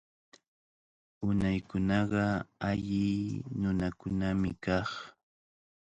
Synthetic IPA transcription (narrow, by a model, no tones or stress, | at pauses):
ʊnajkʊnɑɢɑaʎɪnʊnakʊnamɪkɑχ